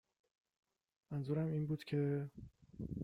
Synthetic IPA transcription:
mænzuːɾæmiːnbuːd̪cʰe̞

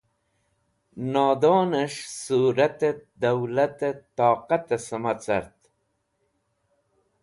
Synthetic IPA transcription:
naːd̪oːnəʂsuːɾɐt̪ed̪awlat̪et̪aːqat̪esəmat͡sɐ̰ɾt̪

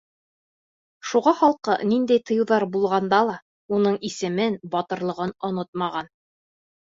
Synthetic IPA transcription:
ʃuʁɑχɑlˠqɤ̰nind̪æjt̪ʰɤ̆jɤ̆wðɑɾbulˠʁɑnd̪ɑlˠɑ | unɤɴisɘ̆mɘnbɒt̪ɤ̆ɾlˠɤ̆ʁɤnŏnot̪̚mɑʁɑn

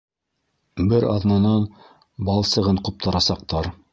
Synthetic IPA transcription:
bɘɾɑ̰ðnɑnɑn | bɑlˠsɤ̆ʁɤɴqup̚t̪ɑɾɑsɑq̚t̪ɑɾ

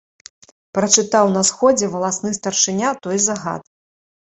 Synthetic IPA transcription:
pɾɐt͡ʂɨt̪awnɐsxɔd͡zʲɛvɐlˠasnɨst̪ɐrʂɨnʲat̪ɔjzɐɣa̰t̪

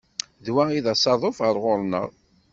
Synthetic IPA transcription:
ðwæiðæsɑðˤofəɾˤʁʊɾˤnə̰ʁˤ

